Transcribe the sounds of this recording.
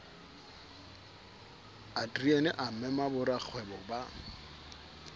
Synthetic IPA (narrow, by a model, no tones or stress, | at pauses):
adriɛnɪʔam̩mɛmabʊɾak͡xʰwɛbɔba